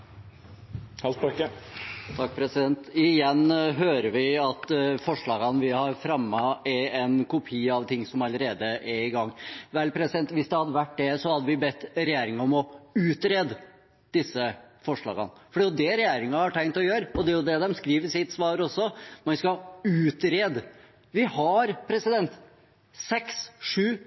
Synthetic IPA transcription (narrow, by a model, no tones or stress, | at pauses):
hɑpkːət̪ʰɑkːpʰɾɛsɪd̪ɛnt̪ɪjɛnːɦøːɾəʋɪɑt̪fɔʂɭɑːɡɑnʋɪhɑɾfɾɑmːɑɛɛnkʰʊpʰiːɑʋt̪ʰɪŋːsɔmɑləɾeːd̪əʔɛɾɪɡɑŋːʋɛlpʰɾɛsɪd̪ɛnt̪ʋɪsd̪ɛhɑd̪ːəʋæʈ̚ːd̪ɛsɔhɑd̪ːəʋɪbɛt̪ːɾɛjeːɾɪŋɑɔmɔʉːt̪ɾeːd̪ | d̪̥ɪsːəfɔʂɭɑ̰ːɡɑ̰nfɔɖɛjʊd̪ɛɾɛjeːɾɪŋɑhɑʈʰɛŋt̪ɔjøːɾəɔd̪ɛæjʊd̪ɛd̪ɛmskɾiːʋəʂɪt̪sʋɑːɾɔsːɔmɛnskɑhɑʉːt̪ɾeːd̪ | ʋɪhɑɾpʰɾɛsɪd̪ɛnt̪ | sɛksʂʉː